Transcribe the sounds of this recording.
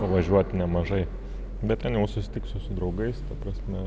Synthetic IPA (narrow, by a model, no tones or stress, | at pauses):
pɐʋɐʒʲuɔt̪ʲnʲɛmɐʒɐɪ | bʲɛt̪̚t̪ʲɛnjɛʊsʊsʲɪ̥t̪ʲɪksʊsʊd̪ɾɐʊɡɐɪst̪ɐpɾɐsʲmʲɛ